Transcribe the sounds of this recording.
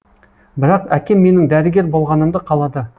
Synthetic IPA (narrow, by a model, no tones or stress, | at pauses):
bɪɾɑqækʲe̞mːe̞nɪŋd̪æɾɪɡʲe̞ɾbo̞lˠʁɑnəmd̪əqʰɑlˠɑd̪ə